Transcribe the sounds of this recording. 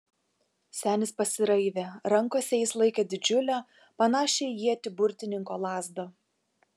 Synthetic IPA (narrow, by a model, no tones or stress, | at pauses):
sʲæːnʲɪspɐsʲɪɾɐɪʋʲeːɾɐŋkoːsʲɛjɪslˠɐɪkʲeːd̪ʲɪd͡ʒʲʊlʲæː | pɐnɑːʃʲɛɪjiɛt̪ʲɪbʊɾʲt̪ʲɪnʲɪŋkoːlˠɑːzd̪oː